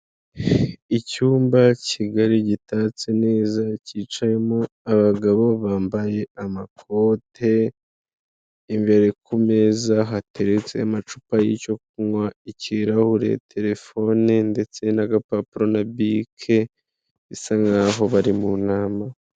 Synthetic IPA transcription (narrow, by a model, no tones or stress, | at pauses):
icuːmbaciɡaɾiɟitaːt͡sene̞ːzaciːt͡ʃaje̞mo | aβaɡaβo̞βaːmbaje̞amakʰo̞ːtʰe̞ | imveɾekume̞ːzaɦatʰe̞ɾet͡se̞̰amat͡ʃupajḭco̞k̚uŋwaiciɾahuɾḛtʰe̞ɾe̞fo̞ninde̞t͡se̞naɡapapɾo̞nabikʰe̞ | isaŋɡaːɦo̞βaɾimunaːma